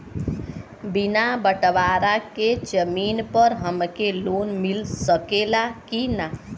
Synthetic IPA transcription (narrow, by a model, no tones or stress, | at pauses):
binabəʈʋaɾaked͡ʒəminpəɾɦəmkelonmilsəkelakina